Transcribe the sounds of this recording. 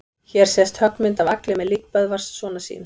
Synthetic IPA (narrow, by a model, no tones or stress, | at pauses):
çɛɾ̥sɛst̪hœk̚nmɪnt̪avaklɪmɛðliːk̚pœðvar̥ssvɔːnasḭːn